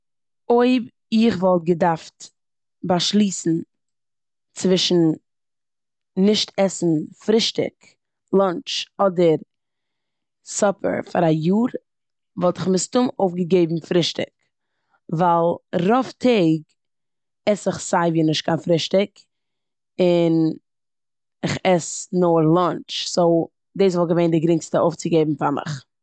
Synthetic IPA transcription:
oɪb | ɪχvɔlˠt̚ɡədaɾft | baʃlˠiːsn̩ | t͡svɪʃn̩ | nɪʃtʰɛsn̩fɾɪʃtɪ̰k | lˠɔnt͡ʃɔdəɾ | sɔpʰə̰ɾfa̰ɾajuːɾ | vɔlˠtɪχmɪstʊmoʊfɡəɡeɪbm̩fɾɪʃtɪ̰k | valˠɾɔftʰeɪɡ | ɛsɪχsaɪviːnɪʃt̚kʰanfɾɪʃtɪk | ɪn | ɪχɛsnoːɾlˠɔnt͡ʃsoʊ | deɪs̬vɔlˠɡəveɪndɪɡɾɪŋstəoʊft͡sɪɡeɪbm̩famɪ̰χ

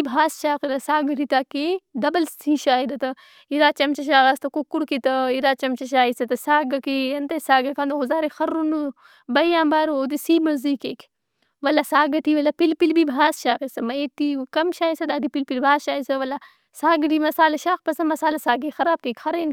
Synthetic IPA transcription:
ibʱaːsʃaːkiɾɐsaːɡɐʈit̪aked̪ɐbɐlsĩːʃaːid̪ɐt̪ɐ | iɾaːt͡ʃɐmt͡ʃɐʃ̬aːɡɐst̪ɐkokːuɾkit̪ɐiɾaːt͡ʃɐmt͡ʃɐʃ̬aːisɐt̪ɐsaːɡɐkijɐnt̪ɐsaːɡɐkand̪uɦuzaːɾexɐɾunɨ | bɐjjaːmbaːɾoːd̪isiːmɐzikeːk | ʋɐlasaːɡɐt̪iːʋɐlapilpilbibʱaːsʃaːkesɐmɐeːt̪ikɐmʃaːisɐd̪aːd̪ipilpilbʱaːsʃaːisɐʋɐla | saːɡɐʈimɐsaːlɐʃaːkpɐsɐmɐsaːlɐsaːɡexɐɾaːb̚t̪ĩːkʲxɐɾeːn

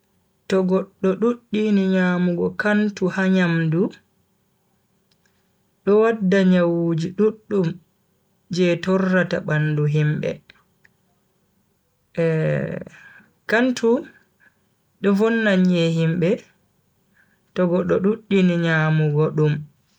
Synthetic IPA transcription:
tɔɡɔɗːɔɗuɗːiniɲamuɡɔkantuhaɲamdu | ɗɔwadːaɲawud͡ʒiɗuɗːum | d͡ʒɛtɔrːata̰ɓanduɦimbɛ̰ | kantʰu | ɗɔvɔnːaɲɛhimbɛ | tɔɡɔɗːɔɗuɗːiniɲaːmuɡɔɗum

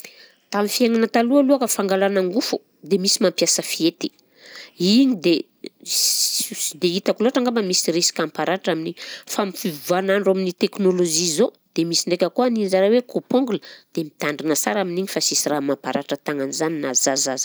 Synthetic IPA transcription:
t̪amifiaŋanət̪alualuakəfaŋɡalanaŋɡufu | d̪emisimampjasəfiet̪i̥ | iɲid̪e | d̪eit̪akuloaʈ͡ʂaŋɡambəmisiɾesi̥kʲampaɾaʈ͡ʂaminiɲfamifivvanaɳɖ͡ʐaminit̪eknoloʒizo | d̪̥emisiɳɖ͡ʐekʲəkuanizaɾawekʰopoŋɡuləd̪̥emit̪aɳɖ͡ʐinəsaɾaminiɲifasisiramampaɾaʈ͡ʂət̪aŋanizaninazazaz̥

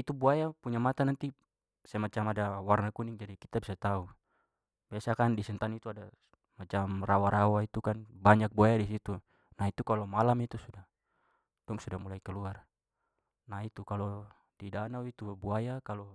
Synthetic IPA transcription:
it̪ubuajapuɲamat̪anant̪i | samat͡ʃamadawarnakuniŋd͡ʒadikit̪abisat̪au | biasakandisɛnt̪anit̪uada | mat͡ʃamrawaɾawait̪ukanbaɲak̚buajadisit̪u | nait̪ukalɔmalamit̪usudah | d̥ɔŋsudamulaikɛluar | nait̪ukalɔ | didanawit̪ubuajakalɔ

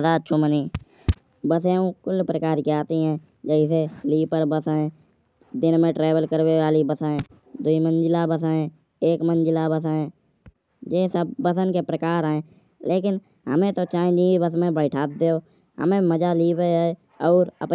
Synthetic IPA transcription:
d̪aːt͡ʃʰoməni | bəseũkʊlːpɾəkaːɾkiaːt̪iɦɛ̃ː | d͡ʒəɪseliːpəɾbəsaẽ | d̪ɪnmẽʈɾeːbəlkəɾweʋaːlibəsaːẽ | d̪uimə̃nd͡ʒɪlabəsaːẽ | eːkmə̃nd͡ʒɪlabəsaːẽ | d͡ʒeːsəbbəsənkepɾəkaːɾẽ | leːkɪn | ɦə̰mẽt̪ot͡ʃãːd͡ʒĩibəsmẽbəɪʈʰaːt̪̚d̪eːoː | ɦə̰mẽməd͡ʒaliːpeɛ | ɔːɾə̰p

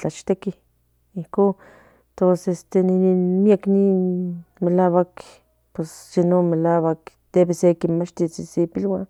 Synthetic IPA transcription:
t͡ɬat͡ʃt̪eki | ihko | t̪osest̪enininmiakninmelaːwak | pwessenomelaːwakt̪ebesekinmat͡ʃt̪it͡sisepilwan

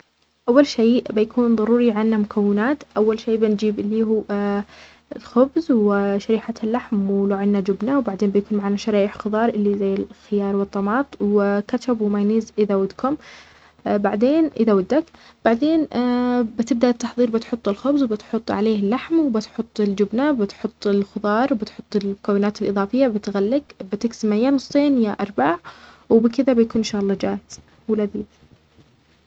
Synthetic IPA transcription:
ʔawːalʃiːʔbɪjakʰuːnðˤɑɾuːɾiʕanːamʊkʰawːɪnaːt̪ʔawːalʃeːbɪnd͡ʒiːbɪlːiːɦuː | lxʊbzwɪʃaɾiːħat̪alːaħmwɪlaʕɪnːad͡ʒʊbnawbaʕd̪eːnbɪjakuːnmaʕanaʃɑɾɑːʔɪħxɨðˤɑːɾˤʔɪlːizajːɪlxɪjɑːɾˤwɨt̪ˤːɑmɑːt̪ˤwɪkat͡ʃabwɪmajniːzʔɪðawad̪kʰʊm | baʕd̪eːnʔɪðawad̪ːak | b̥aʕd̪eːnbɪt̪ɪb̚d̪aʔt̪ːɑħðˤiːɾbɪt̪ħʊt̪ˤːɪlxʊbzwbɪt̪ħʊt̪ˤːʕaleːhɪlːaħmwɪbɪt̪ħʊt̪ˤːɪld͡ʒʊbnabɪt̪ħʊt̪ˤːɪlxʊðˤɑːɾˤwbɪt̪ħʊt̪ˤːɪlmʊkawːɪnaːt̪ɪlʔɨðˤɑːfɪjːabɪt̪ɣalːɪɡbɪt̪ɪksɪmaɪjːanʊsˤt̪ˤeːnjaʔɑɾˤbaʕ | wbɪkɪðabɪjkuːnnʃahlˤːɑd͡ʒaːhɪz̥ | wɪlaðiː

